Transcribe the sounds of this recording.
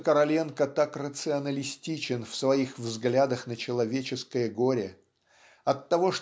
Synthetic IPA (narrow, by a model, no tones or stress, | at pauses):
kəɾɐlʲe̞nkət̪akrət̪sɨɐnəlʲɪsʲtʲit͡ɕɪnfsvɐixvzɡlʲad̪əxnət͡ɕɪlˠɐvʲet͡ɕɪskəjəɡoɾʲɪ | ɐt̪ːɐvo̞ʂ